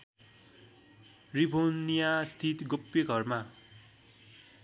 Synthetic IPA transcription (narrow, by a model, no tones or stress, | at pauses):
ribʱonijast̪ʰit̪ɡopːjeɡʱʌrma